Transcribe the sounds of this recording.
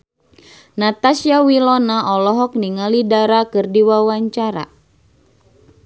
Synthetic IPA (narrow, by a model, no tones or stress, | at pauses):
nat̪asiawilɔnaʔɔlɔɦɔk̚niŋalidaɾakɨrdiwawaɲt͡ʃaɾa̰